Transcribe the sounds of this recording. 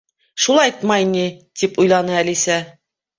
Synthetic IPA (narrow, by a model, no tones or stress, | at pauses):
ʃulˠɑjt̪mɑjinʲit̪ipujlˠɑnɤælisæ